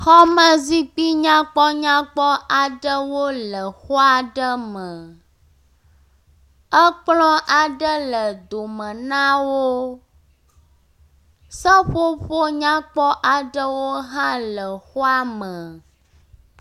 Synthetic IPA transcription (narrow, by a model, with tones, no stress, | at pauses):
xɔ˦mə̃˦zi˦k͡pi˦ɲã˦k͡pɔ˦ɲã˦k͡pɔ˦ʔa˨ɖə˦wo˦lə˨xo˦a˨ɖə˦mə̃˨ | ə˦k͡plɔ̃˦ʔa˨ɖə˦lə˨d̪o˨mə̃˨nã˦wo˦ | sə˦ɸo˦ɸo˦ɲã˦k͡pɔ˦ʔa˨ɖə˦wo˦ɦã˦lə˨xo˦a˦mə˨